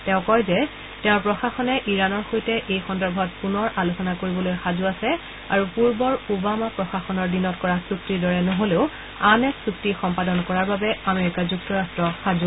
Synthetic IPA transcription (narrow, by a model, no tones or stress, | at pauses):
tɛʊ̃kɔjzɛ | tɛʊɹpɹɔxaxɔnɛʔiɹanɔɹxojtɛʔejxɔndɔɹbʱɔt̚punɔɹʔalosɔnakoɹibɔlojxazuasɛ | a̰ɹupuɹbɔɹubamapɹɔxaxɔnɔɹdinɔt̚kɔɹasuktiɹdɔɹɛnɔɦoleʊ | anɛksuktixɔmpadɔnkɔɹaɹbabɛameɹikazuktɔɹastɹɔxazu